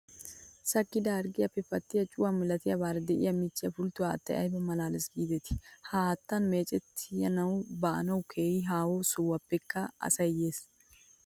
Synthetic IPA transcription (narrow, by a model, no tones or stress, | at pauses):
sɐkːɪd̪ɐɾɡɪjɐpːɛfɐt̪ːɪjɐt͡ʃʼʊwɐmɪlɐt̪ɪjɐbaːɾɐd̪ɛʔɪ̰jɐmɪt͡ʃːɪjɐfʊlt̪ːʊwaɐ̰t̪ːɐ̰jʔɐ̰jbɐmɐlaːlɪsɡiːd̪ɛt̪ɪ̥haːt̪ːɐnme̞ːt͡ʃʼɛt̪ʰːɪjɐnɐwbɐʔɐ̰nɐwkʰeːjɪɦaːwosʊwːɐpːɛkːɐɐ̰sɐjeːs